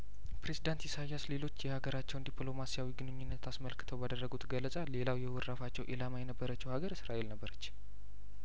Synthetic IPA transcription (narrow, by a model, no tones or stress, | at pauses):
pɾe̞zid̪ant̪isajːasle̞lo̞t͡ʃːjɛhaɡəɾat͡ʃːɛwnd̪iplo̞masijawiɡɨnɨɲːunːət̪ʰasməlkɨ̥t̪ʰəwbad̪ərːəɡut̪ɡəlːəsʼalːe̞lawjɛwɔɾːafat͡ʃːɛwʔelamajɛnəbːəɾət͡ʃːɛwhaɡəɾsɨɾaʔe̞lnəbːəɾət͡ʃː